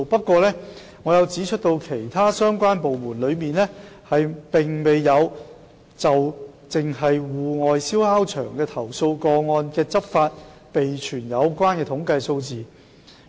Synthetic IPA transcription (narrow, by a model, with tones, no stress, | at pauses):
pɐ˥t̚kːwɔː˧lɛː˥ | ŋɔː˨˧jɐ˨˧wt͡siː˨˥t͡ʃʰɵ˥t̪o˧wkʰe˨˩jt̪ʰaː˥sœː˥ŋkʷaː˥npo˨wmuː˨˩nlɵ˨˧ɥmiː˨nlɛː˥ | hɐ˨jpɪ˨˩ŋme˨˧jːɐ˨˧w | t͡sɐ˨w | t͡sɪ˨ŋɦɐ˨jwuː˨ŋɔː˨jsiː˥whaː˥wt͡ʃʰœ̰ː˨˩ŋkɛː˧t̪ʰɐ˨˩wso˧wkɔː˧ŋɔː˧nkɛː˧t͡sɐ˥p̚faː˧t̚ | pe˨jt͡ʃʰyː˨˩njɐ˨˧wkʷaː˥nkɛː˧t̪ʰʊ˨˥ŋkɐ˧jso˧wt͡siː˨